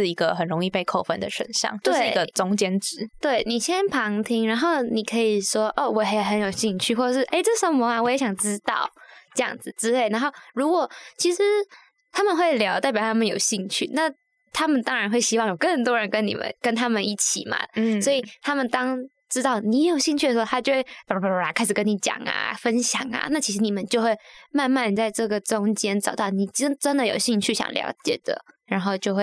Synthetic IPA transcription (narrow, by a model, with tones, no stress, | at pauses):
ɻ̩˥˩i˧˥ɡə˧xə˨˩nɻʊ˧˥ŋi˥˧pe˥˧ɪkʰo˥˧ʊfə̰˥nd̪ə̰˨ʂwə̰˨˩nɕjɑ̰˥˩ŋt͡ɕj̪eʂɪ˥˩i˧˥ɡə˧t͡sʊ˥ŋt͡ɕjɛ˥nʈ͡ʂɻ̩˧˥t̪we˥˩ɪni˨˩ɕjɛ˥npʰɑ˧˥ŋt̪ʰi˥ŋɻa˧˥nxo˥˩ʊni˨˩kʰɤ˧˥i˨˩ʂwɔ˥ʔɔ˥˩wɔ˨˩jjxə˧˥njo˨˩ʊɕi˥˧ŋt͡ɕʰy˥˧xwɔ˥˩ʈ͡ʂə˨˩ʂɻ̩˥˩ʔe˥˩ɪʈ͡ʂɤ˥˩ʂə˧˥mɔ˧˥a˧˩wɔ˨˦jɛ˧˥ɕjɑ˨˩ŋʈ͡ʂɻ̩˥t̪ɑ˥˩ʊʈ͡ʂɤ˥˧jɑ̰˥˩ŋd͡zɹ̩˨˩t͡sɻ̩˥le˥˩ɪna˧˥nxo˥˩ʊɻu˧˥kwɔ˨˩t͡ɕʰi˧˥ʂɻ̩˧˦ | t̪ʰa˥mə˨nxwe˥˩ɪljɑ˧˥ʊt̪a˥˩ɪpjɑ˨˩ʊt̪ʰa˥mə˨njo˨˩ʊɕi˥˧ŋt͡ɕʰy̰˥˩na˥˩ | t̪ʰa˥mə˨nt̪ɑ˥ŋɻa˧˥nxwe˥˩ɪɕi˥wɑ˥˩ŋjo˨˩kə˥˩nt̪wɔ˥ɻə˧˥nkə˥nnḭ˨˩mʔə̰˧˦nkə˥nt̪ʰa˥mə˨ni˥˩t͡ɕʰḭ˨˩mɐ̰˧˦swɔ˧˥i˨˩t̪ʰa˥mə˨nt̪ɑ˥ŋ | ʈ͡ʂɻ̩˥t̪ɑ˥˩ʊni˧˥jo˨˩ʊɕi˥˧ŋt͡ɕʰy˥˩ə˩ʂ̩˧˥xo˥t̪ʰa˥jo˥˧ʊxwe˥˩ɪpa˨˩kʰa˥ɪʂ̩˨˩kə˥ni˧˩˥t͡ɕjɑ̰˨˩ŋɐ̰˧˩fə˥nɕjɑ̰˨˩ŋɐ̰˧˦na˥˩t͡ɕʰi˧˥ʂɻ̩˧˥ni˨˩mə˦nt͡ɕjo˥˧ʊxwe˥˧ɪma˥˧nma˥˧nt͡sa˥˧ɪʈ͡ʂɤ˥˩ɡə˩ʈ͡ʂʊ˥ŋt͡ɕjɛ˥nʈ͡ʂɑ˨˩ʊt̪ɑ˥˩ʊni˨˩ʈ͡ʂə˥nʈ͡ʂə˥nd̪ə˨jo˨˩ʊɕi˥˧ŋt͡ɕʰy˥˩ɕjɑ̰˨˩ŋljɑ̰˧˥ʊt͡ɕjɛ̰˨˩d̪ə̰˦ɻa˧˥nxo˥˧ʊt͡ɕjo˥˧ʊxwe˥˩ɪ